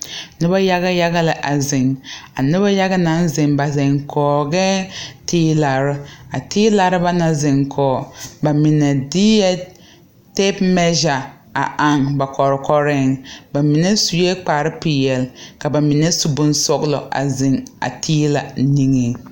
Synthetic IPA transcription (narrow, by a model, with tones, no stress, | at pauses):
nɪ˦ba˦ja˦ɣa˦ja˦ɡa˦la˨ʔa˨zɪ˨ŋa˨nɪ˦ba˦ja˦ɡa˦na˦n˦zɪ˨ŋba˨zɪ˨ŋkʰɔː˨ɡɛ˦tiː˦la˨ɾɪ˦a˨tiː˦la˨ɾɪ˦ba˦na˨zɪ˨ŋkʰɔː˨ba˨mɪ˨na˨di˦ja˦ | te˦pmɛ˦ʒa˨ | a̰˨a˨ŋba˨kɔ˨ɾkɔ˦ɾɪ˦ŋba˨mi˨nɛ˦su˨jɛ˦k͡pa˨ɾɪ˦pi˨jɛ˨lka˨ba˨mi˨nɛ˦su˨bʊ˦n˦sɔ˦ɡlɔ̰˨ʔa̰˨zɪ˨ŋa̰˨tʰiː˦la˨˦ni˦ŋi˨